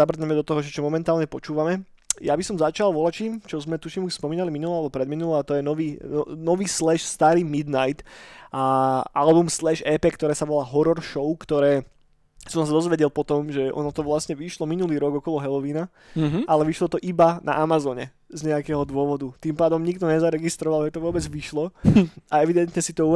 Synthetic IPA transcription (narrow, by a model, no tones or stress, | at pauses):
abr̩ɲɛmɛd̪ɔt̪ɔɦɔʒɛt͡ʃɔmɔmɛnt̪aːlɲɛpɔt͡ʃuːʋamɛ | jabisɔmzat͡ʃalˠʋɔlat͡ʃiːmt͡ʃɔzmɛt̪uʃimuʃspɔmiːnaliminulɔalɛbɔpɾɛd̪minulɔat̪ɔjɛnɔʋiːɔnɔʋiːslɛʃst̪aːɾiːmid̪najt̪ʔaʔalbumslɛʃɛːpɛːkt̪ɔɾɛːsaʋɔlaːɦɔɾɔɾʃɔʊkt̪ɔɾɛː | sɔmsad̪ɔzʋɛɟɛlpɔt̪ɔmʒɛɔ̰nɔt̪ɔʋlasɲɛʋiʃlɔminuliːɾɔɡɔkɔlɔɦɛlɔʋiːna | alɛʋiʃlɔt̪ɔʔibana̰ʔamazɔːɲɛ̰ | zɲɛakɛːɦɔd̪ʊɔʋɔd̪ut̪impaːd̪ɔmɲikt̪ɔɲɛzaɾɛɡist̪ɾɔʋalʒɛt̪ɔʋʊɔbɛd͡zʋiʃlɔaɛʋid̪ɛnt̪ɲɛsit̪ɔu